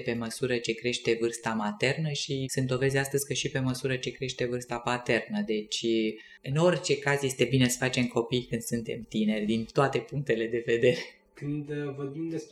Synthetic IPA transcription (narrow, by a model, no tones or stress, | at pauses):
pe̞məsuɾət͡ʃe̞kɾe̞ʃt̪e̞vɨrst̪amat̪e̞rnəʃisɨnt̪o̞vezʲeast̪əzʲkəʃipe̞məsuɾət͡ʃe̞kɾe̞ʃt̪e̞vɨrst̪apat̪e̞rnəd̪e̞t͡ʃʲ | ɨno̞rʲt͡ʃe̞kazje̞st̪e̞bine̞sə̥fat͡ʃe̞mko̞pijkɨnd̪̥sunt̪e̞mt̪ine̞rʲd̪int̪oat̪e̞puŋk̚t̪e̞le̞d̪e̞ve̞d̪e̞ɾe | kɨnd̪vorbimd̪es